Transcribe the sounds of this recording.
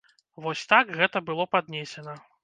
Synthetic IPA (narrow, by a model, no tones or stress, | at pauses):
vɔsʲt̪akɣɛt̪ɐbɨlˠɔpad̪̚nʲesʲɛnɐ